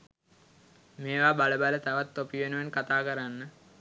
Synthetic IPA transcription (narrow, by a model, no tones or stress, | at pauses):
meːʋaːbaləbalət̪aʋat̪ːopiʋenəʋenkat̪aːkəɾanːə